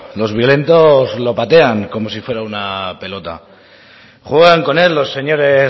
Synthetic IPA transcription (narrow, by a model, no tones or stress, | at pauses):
lo̞zβjo̞le̞nt̪o̞zlo̞pat̪e̞aŋko̞mo̞s̬ifwe̞ɾaunape̞lo̞t̪a̰ | xweɣaŋko̞ne̞lːo̞sːe̞ɲo̞ɾe̞